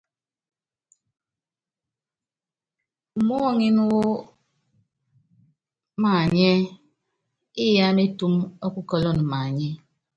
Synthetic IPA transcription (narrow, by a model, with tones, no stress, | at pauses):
m̩˨mɔ˦˨ŋi˦n˦wo˦ | ma˨ɲɛ˦ | i˦ja˦me˦tu˦mɔ˦ku˦kɔ˦lɔ˦˨n˨ma˨ɲɛ˦